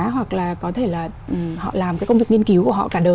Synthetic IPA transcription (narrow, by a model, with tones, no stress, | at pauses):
ɦwa˨˩k̚laː˨˩kɔ˨˦t̪ʰe˧˩laː˨˩ʔhɔ̰˧˨laː˨˩mkaː˨˦kə˧wŋ͡mvk̚ŋi˧nki˨˦wku˧˩əɦɔ̰˧˨kaː˧˩ɗəː˨˩